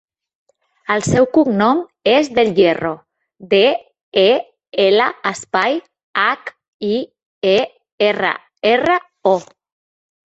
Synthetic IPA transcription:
əlˠsɛwkuknɔmezðəlʎero | d̪e | e | eləəspaj | ak | i | e | erə̰ | erə | ɔ

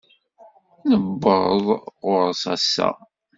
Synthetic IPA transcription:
nəbːəðˤʊɾsɑsːæ̰

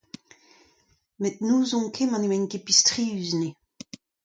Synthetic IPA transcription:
met̪̚nuːzɔ̃ŋkʰemɑ̃nemɛ̃nkepistʁiːyzne

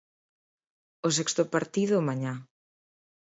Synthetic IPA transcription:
os̬ɛkst̪ʊpaɾt̪iðʊmaɲã

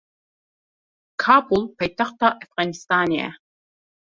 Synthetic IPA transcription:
kʰaːbulˠpʰajt̪ʰaχt̪aʔɛfɣɑnist̪aːniɛ̰

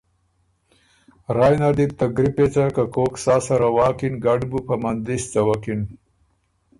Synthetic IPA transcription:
ɾaːjnad̪ip̚t̪aɡɾipet͡sakakoːksaːsɐɾawaːkinɡaɖbupɐmand̪ist͡sawakin

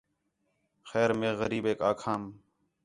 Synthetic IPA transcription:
xɛːɾmẽːɣəɾiːbeːkaːkʰaːm

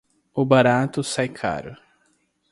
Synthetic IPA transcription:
ʊbaɾat̪ʊsajkʰa̰ɾʊ̰

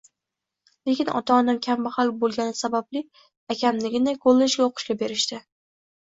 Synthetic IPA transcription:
lekʲɪnɒ̰t̪ʰaːnamkʲʰambɪhalˠbolˠɡʲanɪsabablɪ | akʲʰamlɪɡʲɪnajkʰolˠːed͡ʒɡʲaoqʰɨ̥ʃɡʲabe̞ɾɪʃt̪ɪ

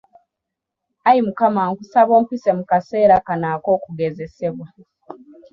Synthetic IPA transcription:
ajimukamaːŋkusaβo̞ːmpise̞mukase̞ːɾakanaːko̞ːkuɡe̞ze̞se̞βwa

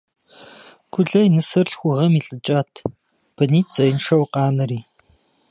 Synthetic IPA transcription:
kʷʊɮɐjinɨsɨrɬxʷʊʁɐmiːɬʼɨt͡ʃʼaːtʰ | b̥ɐniːt̚t͡sʼɐjnʂɐwqɑːnɐɾiː

